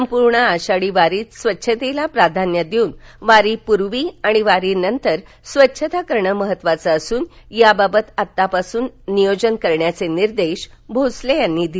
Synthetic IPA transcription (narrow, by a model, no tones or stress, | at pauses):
səmpuɾɳəaɕaɽiʋaɾiːt̪sʋətːɕʰət̪elapɾad̪ʱanjad̪euːnʋaɾiːpuɾʋiːaɽ̃iʋaɾiːnənt̪əɾ | sʋətːɕʰət̪akəɾɳəməɦət̪ːʋat͡səːsuːn | jababət̪at̪ːapasuːnːijod͡ʑənkəɾɳjat͡seniɾd̪eɕ | bʱot͡slejanːiːd̪i